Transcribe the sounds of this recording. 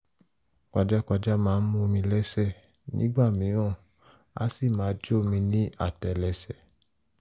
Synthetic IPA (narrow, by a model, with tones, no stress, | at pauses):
ka˧d͡ʒa˦ka˧d͡ʒa˦mãː˨˦n̩˦mũ˦˧mĩ˧lɛ˦sɛ˦˨ | nḭ̃˨˦ɡ͡ba˦˨mĩ˨˦ɔ̃˦˨ | a̰˦si˦˨mãː˨˦d͡ʒo˦˨mĩ˧nĩ˦a˦˨tɛ˨lɛ˧sɛ˨